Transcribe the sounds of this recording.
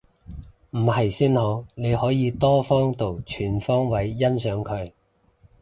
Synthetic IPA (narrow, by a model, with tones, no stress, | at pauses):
m̩˨˩hɐ˨˩jsiː˥nho˨˥ne˨˧jhɔː˨˥jiː˨˧t̪ɔː˥fɔː˥ŋt̪o˨˩wt͡ʃʰyː˨˩nfɔː˥ŋwɐ˨˥jːɐ˥nsœː˨˥ŋkʰɵ˨˧ɥ